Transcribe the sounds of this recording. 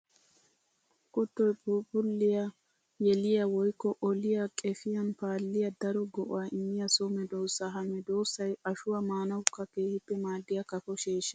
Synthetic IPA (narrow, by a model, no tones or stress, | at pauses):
kɔt̪ːɔjpʊpʊlːɪjɐ | jɛlɪjɐwɔjkːɔʔɔlɪjɐkʼɛfɪjɐnpaːlːɪjɐd̪ɐɾɔɡɔʔʊ̰waʔɪmːɪjɐsomɛd̪o̞ːsːɐɦɐmɛd̪o̞ːsːɐjɐʃʊwɐmaːnɐwʊkːɐkeːhɪt̪ːɛmaːd̪ːɪjɐkɐfɔʃeːʃːɐ